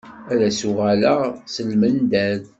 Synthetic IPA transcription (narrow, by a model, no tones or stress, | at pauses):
æɾæsʊʁæləsəlmənd̪æð